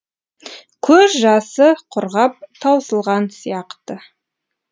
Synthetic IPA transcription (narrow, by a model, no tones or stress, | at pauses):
kʲʰɵzʒɑsəqʰʊɾʁɑp̚t̪ʰɑwsəlˠʁɑnsijɑqt̪ə